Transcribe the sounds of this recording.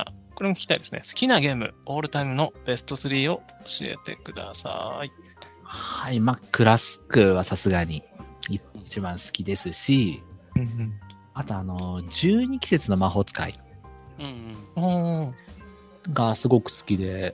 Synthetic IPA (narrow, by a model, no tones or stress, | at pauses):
a̰ko̞ɾemokʲi̥kʲi̥t̪a̰id̪e̞sɨne̞̰sɨ̥kʲinaɡe̞ːmɯ̟̰o̞ːɾɯ̟t̪aimɯ̟no̞b̥e̞sɨ̥t̪o̞sɨɾʲiːo̞ɕie̞̰t̪e̞̰kɯ̟d̪a̰sa̰i | haimakɯ̟ɾasɨ̥kɯ̟βasasɨɡaɲ̟iiit͡ɕibãɰ̃sɨ̥kʲid̪e̞sɨɕiɯ̃ | at̪oano̞d͡ʑɨːɲ̟ikʲi̥se̞t͡sɨno̞maɦo̞t͡sɨ̥ka̰ḭɯ̟̃ːoː | ɡasɨɡo̞kɯ̟̥sɨ̥kʲid̪e̞